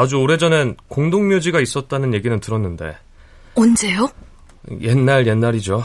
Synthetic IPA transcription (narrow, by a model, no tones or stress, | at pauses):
ad͡ʑuoɾe̞d͡ʑʌne̞nkoŋdoŋmjod͡ʑiɡais͈ʌt̚t͈anɯnje̞ɡinɯntɯɾʌnːɯnde̞̰ | ʌnd͡ʑe̞jo | jʔe̞nːaɭje̞nːaɾid͡ʑo